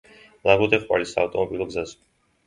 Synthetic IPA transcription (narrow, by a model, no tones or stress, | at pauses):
lˠaɡɔd̪ɛχwa̰lisaːft̪ʼɔmɔbilˠɔɡzaz